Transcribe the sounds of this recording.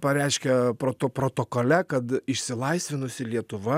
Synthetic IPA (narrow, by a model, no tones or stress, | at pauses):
pɐɾʲɛɪʃʲkʲɛpɾoːt̪opɾoːt̪oːkoːlʲɛkɐt̪ɪʃʲsʲɪlˠɐɪsʲʋʲɪnʊsʲɪlʲiɛt̪ʊʋɐ